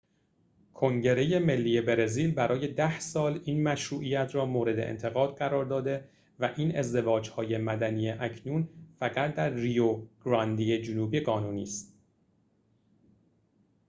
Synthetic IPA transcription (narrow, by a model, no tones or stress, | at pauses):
kʰo̞ŋɟe̞ɾe̞je̞me̞lːiːje̞be̞ɾe̞ziːlbæɾʔɒːje̞d̪æhsɒːliːnmæʃɾuːʔijæt̪ʰɾɒːmoːɾe̞d̪e̞̰ʔḛnt̪ʰe̞ɣɒːd̪̥ɢæɾɒːɾd̪ɒːd̪e̞ | væʔiːne̞zd̪e̞vɒːd͡ʒhɒːje̞mæd̪ænijeʔæcʰnuːnfæɣæt̪d̪æɾːijoɡ̥ɾɒnd̪iːed͡ʒonuːbiɡɢɒːnuːniːst̪